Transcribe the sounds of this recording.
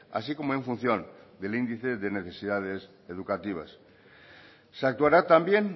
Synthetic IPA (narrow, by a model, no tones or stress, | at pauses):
a̰sikomoe̞ɱfun̟θjõnd̪elind̪iθeðeneθesið̞að̞es | eðukat̪iβ̞a̰s | seak̚t̪uaɾat̪ambjen